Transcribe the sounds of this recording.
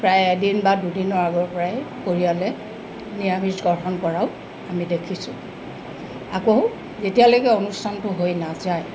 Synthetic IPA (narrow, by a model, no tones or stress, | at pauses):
pɹajɛdinbadudinɔɹaɡɔɹpɔɹajkoɹijalɛ | niɹabʱisɡɔɹɦɔnkɔɹaʊ | amidekʰisʊ̰ | akoʊ | zetijalojkɛonustʰantʊɦojnazaj